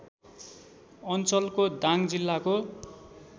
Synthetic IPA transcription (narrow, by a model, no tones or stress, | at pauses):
ʌnt͡sʌlkod̪aŋd͡zilːako